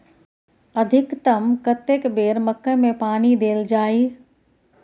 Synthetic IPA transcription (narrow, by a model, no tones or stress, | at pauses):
əd̪ʱɪkt̪ɐmkət̪ekbeːɾməkːəmẽpaːnid̪eːld͡ʒaːiː